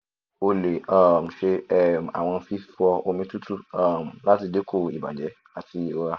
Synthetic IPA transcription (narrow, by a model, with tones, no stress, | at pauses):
o˦le˨a˦˨m̩˨ʃe˦ɛ˦˨m˨a̰˨w̃ã˦fi˦ffɔ˦o˦mĩ˦tu˦tʰu˦a˦˨mla˦si˨de˦kʰo˨ḭ˨ba̰˨d͡ʒɛ˦ | a˨tʰi˨˦o˦a˨